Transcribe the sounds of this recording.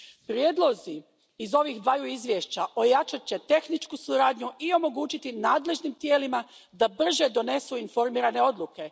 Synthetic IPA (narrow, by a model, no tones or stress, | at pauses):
pɾjeːd̪lˠo̞ziː | zo̞ʋixd̪ʋajuizʋjeʃt͡ɕaʔo̞jat͡ʃat͡ɕe̞t̪e̞xnit͡ʃkusuɾaːd̪ɲuʔio̞mo̞ɡuːt͡ɕit̪inaːd̪le̞ʒnimt̪je̞ːlima | d̪abr̩ʒe̞d̪o̞ne̞suinfo̞ɾmiːɾane̞o̞d̪lˠuke̞